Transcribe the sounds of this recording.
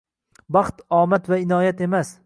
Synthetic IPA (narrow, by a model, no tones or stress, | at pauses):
bɑχt̪ɒːmat̪vaɪnɒːjat̪emas